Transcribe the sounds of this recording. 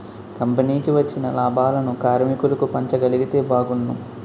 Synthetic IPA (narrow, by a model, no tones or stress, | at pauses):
kɐmpɐniːkiʋɐt͡ʃːinɐlaːbʱaːlɐnukaːɾmikulɐkupɐɲt͡ʃɐɡɐliɡit̪e̞ːbaːɡunːu